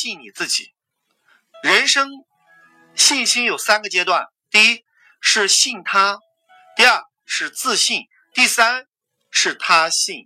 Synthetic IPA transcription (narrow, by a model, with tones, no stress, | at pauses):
i˥˩ŋni˨˩t͡sɹ̩˥˩t͡ɕḭ˨˩˦ | ɻə˧˥nʂɤ˥ŋ | ɕi˥˩nɕi˥ŋjo˨˩ʊsa˥nɡə˨t͡ɕjɛ˥t̪wa˥˩n | t̪i˥˩i˥ | ʂɻ̩˥˧ɕi˥˩ŋt̪ʰa˥ | t̪i˥˧ə˞˥˩ | ʂɻ̩˥˧t͡sɹ̩˥˧ɕi˥˩n | t̪i˥˩sa˥n | ʂɻ̩˥˩t̪ʰa˥ɕi˥˩ŋ